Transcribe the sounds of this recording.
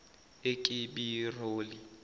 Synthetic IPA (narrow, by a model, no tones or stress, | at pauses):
ekʼɪbiroːli